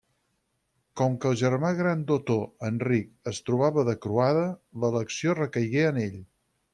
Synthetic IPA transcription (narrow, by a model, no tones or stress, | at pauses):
kɔmkəːlˠʒərmaɣɾand̪ot̪oənrik̚əst̪ɾuβ̞aβəðəkɾuaðələləksijorəkəjɣeəneʎ